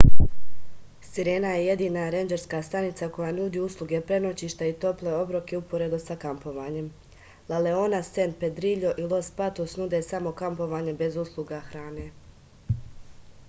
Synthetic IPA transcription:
siɾe̞ːnaje̞je̞d̪iːnaɾend͡ʒe̞ɾskaːst̪anit̪sako̞jaːnuːd̪iːuslˠuɡe̞pɾe̞no̞t͡ɕiʃt̪ait̪o̞ple̞o̞bɾokeupoɾed̪usakampo̞ʋaːɲe̞m | lale̞onase̞npe̞d̪ɾiʎo̞ʔilˠo̞spat̪osnud̪e̞samo̞kampo̞ʋaːɲe̞be̞zuslˠuɡaxɾaːne̞ː

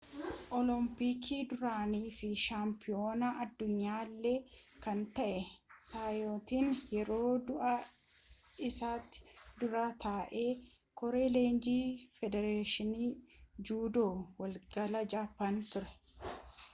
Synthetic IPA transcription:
ʔɔlɔmpiːkʰiːd̪ʊɾaːniːfɪʃaːmpɪoːnaʔɐd̪ːʊɲːaːlːeː | kɐnt̪ɐʔɛsaːjoːt̪iːnjɛɾo̞ːd̪ʊʔɐ | ɪsaːt̪ːɪ̥d̪ʊɾaːt̪ʰaːʔe̞ː | kɔɾe̞ːle̞ːnd͡ʒiːfɛd̪ɛɾeːʃɪniːd͡ʒuːd̪oːwɐlɡɐlɐd͡ʒaːfɐnt̪ʊɾɛ̥

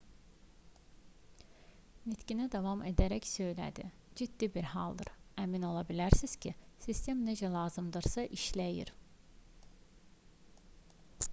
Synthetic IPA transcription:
mit̪cinæd̪ɑvɑmed̪æɾæcsø̞jlæ̰d̪i | d͡ʒid̪ːibiɾhɑ̰lˠd̪ɯ̰ɾæmino̞lˠɑbilæɾsiz̥cʰisist̪ʰe̞mne̞d͡ʒælˠɑːzɯmd̪ɯɾsɑʔiʃlæjḭɾ

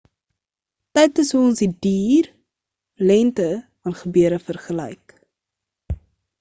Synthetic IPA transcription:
tɛjtəsɦuɔnsdidiːr | lɛntəvɐnχəbøəɾəfərχəlɛ̰jk

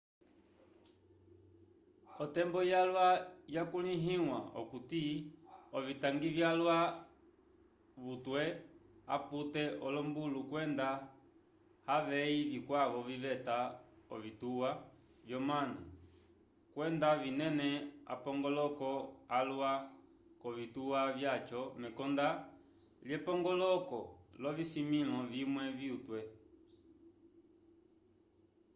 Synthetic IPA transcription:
ɔtɛmbɔjalwajakuliɦiwa̰ɔ̰kuti | ɔvitaŋɡivjalwa | βutwɛaputɛʔɔlɔmbulukwɛnda | haʋɛivikwaʋɔviʋɛtaɔ̰vituwa | vjɔmana | kwɛndavinɛnɛa̰pɔŋɡɔlɔkɔalwa | kɔvituwavjat͡ʃɔmɛkɔnda | ljɛpɔŋɡɔlɔkɔlɔvisimilɔvimwɛviutwɛ

